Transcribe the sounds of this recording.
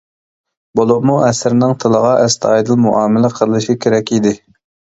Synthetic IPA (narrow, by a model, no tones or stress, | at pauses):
bolˠʊʁmuɛsɪɾɪnɪŋt̪ʰɨlˠəʁɑʔɛst̪ʰɑjd̪ɨlˠmuʔɑːmɪlɪqʰəllˠɨʃikʲʰeɾɛkʲʰid̪ɪ